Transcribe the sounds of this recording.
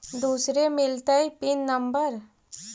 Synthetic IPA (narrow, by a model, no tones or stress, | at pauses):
d̪uːsɾemɪlt̪aipɪnːəmbəɾ